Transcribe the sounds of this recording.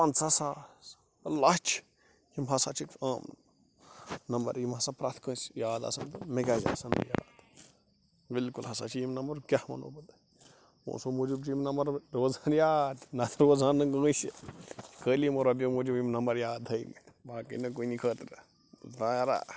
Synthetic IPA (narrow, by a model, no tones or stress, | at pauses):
pɐnsɐsas | ɐlat͡ʃʰ | jimɦɐsa̰t͡ʃʰikaːm | nɐmbɐ̰ɾjimɦɐsapɾat̪ʰkə̃ːsjaːd̪a̰sɐnt̪ɨmeɡazʲa̰sɐnɐ̰ja̰ːd̪ | bɪlkulɦɐsa̰t͡ʃʰijimnɐmbɐɾkʲahmɐ̰no̰ːbɐt̪ | õ̰ːsomod͡ʒub̚t͡ʃimnɐmbɐɾɾoːzanjaːd̪nɐt̪ʰɾoːzaːnɨɡə̃ːsi̥kəːlimoɾɐbjomoːd͡ʒubjimnɐmbɐɾjaːd̪əim | baːkə̰nɐk̬uinikʰəːt̪ɾ | ut̪ãːjaɾa̰